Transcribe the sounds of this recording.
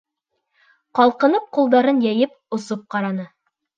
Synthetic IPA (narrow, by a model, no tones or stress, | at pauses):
qɑlˠqɤ̆nɤp̚qulˠd̪ɑɾɤnjæjɘp̚ | ŏsop̚qɑɾɑnɤ